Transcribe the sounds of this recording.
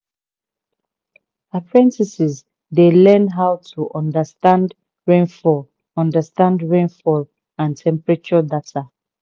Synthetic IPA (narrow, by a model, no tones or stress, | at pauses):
apʰɹɛ̃ntisiz | delɛnɦawtʰuʔɔ̃ndəstãnd | ɹẽnfɔ | ɔ̃ndəstãndɹẽnfɔl | ãntʰɛ̃mpɹɛt͡ʃɔdatʰa